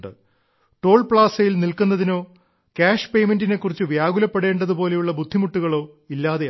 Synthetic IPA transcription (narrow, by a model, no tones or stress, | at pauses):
ɖɨ̰ | ʈo̞ːɭpɭaːsɐjilnilkunːɐðino̞ː | kaːʂpe̞jmendine̞kːurit͡ɕːɨʋjaːɣulɐpːe̞ɽe̞ːɳɖɐðubo̞ːle̞juɭːɐbud̪ʱːimuʈːuɣɐɭo̞ː | ilːaːðe